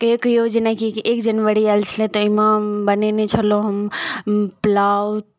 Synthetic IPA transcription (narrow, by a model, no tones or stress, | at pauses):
kekjod͡ʒənakikekd͡ʒənʋəɾiɛlt͡ʃʰlet̪ɔimãbənenit͡ʃʰəloɦəm | plawt̪̚